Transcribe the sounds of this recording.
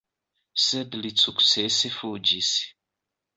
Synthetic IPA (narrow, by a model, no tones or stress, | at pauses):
sɛd̪lit͡sʰuku̥sesefud͡ʒisi̥